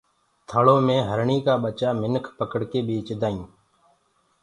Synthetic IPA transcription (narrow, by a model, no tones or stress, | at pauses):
t̪ʰəːɭoːmẽːɦəɾɳiːkaːɓət͡ʃaːmɪnkʰpəkəɽkeːɓiːt͡ʃd̪aːũː